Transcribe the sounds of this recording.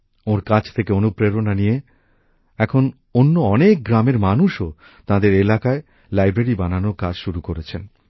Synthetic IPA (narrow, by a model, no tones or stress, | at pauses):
oɾkãd͡ʑʰt̪ʰekeonupɾeɾonanije | ɛkʰon | onːoɔnek̚ɡɾameɾmanuʃo | t̪ãd̪eɾelakae | lajbɾeɾibananokad͡ʑʃuɾukoɾet͡ɕʰen